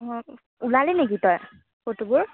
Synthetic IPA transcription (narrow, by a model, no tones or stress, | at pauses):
ulalɛnek̬itɔj | kotubʊɹ